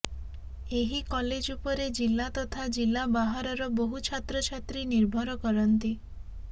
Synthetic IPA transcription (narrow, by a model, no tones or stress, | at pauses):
eɦikɔled͡ʒupɔɾed͡ʒilːat̪ɔt̪ʰad͡ʒilːabaɦaɾɔɾɔboɦut͡ʃʰat̪ɾɔt͡ʃʰat̪ɾiniɾbʱɔɾɔkɔɾɔnt̪i